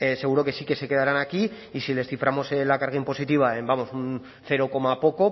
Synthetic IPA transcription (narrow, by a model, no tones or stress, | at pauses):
ese̞ɣuɾo̞ke̞sike̞se̞ke̞ð̞aɾanaki | isile̞sθifɾamo̞selakaɾɣeimpo̞sit̪iβ̞ae̞mbamo̞sun | θe̞ɾo̞ko̞mapo̞ko̞